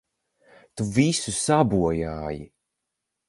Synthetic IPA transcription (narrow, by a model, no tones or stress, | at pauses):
t̪uvisusabuɔjaːji